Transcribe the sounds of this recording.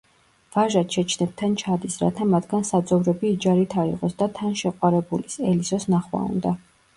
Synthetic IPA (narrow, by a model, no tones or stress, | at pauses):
v̥aʒat̪ʃʰɛt͡ʃʰnɛb̚t̪ʰant͡ʃʰad̪isɾa̰t̪ʰamat̪ʰɡ̥ansad̪zʼɔvɾɛbiːd͡ʒaɾit̪ʰaḭʁɔsd̪at̪ʰanʃɛqʼwaɾɛbulisɛlisɔsnaχwa̰ṵnd̪a